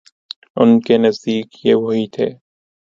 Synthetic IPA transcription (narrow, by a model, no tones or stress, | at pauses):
ʊnkenɐzd̪iːkjeʋoɦit̪ʰeː